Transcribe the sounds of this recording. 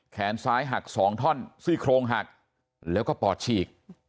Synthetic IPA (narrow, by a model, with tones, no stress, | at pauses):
kʰɛː˩˦nsaː˦˥jɦa˨˩k̚sɔː˩˦ŋt̪ʰɔ˥˩nsɯː˥˩kʰɾoː˧ŋɦa˨˩k̚ | lɛː˦˥wkɔː˥˩pɔː˨˩t̪̚t͡ɕʰiː˨˩k̚